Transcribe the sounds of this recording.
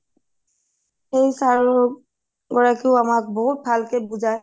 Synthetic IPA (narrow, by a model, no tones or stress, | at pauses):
xejsaɹɔɔ | ɡɔɹakeʊamak̚bɔɦut̪̚bʱalkebud͡ʒaj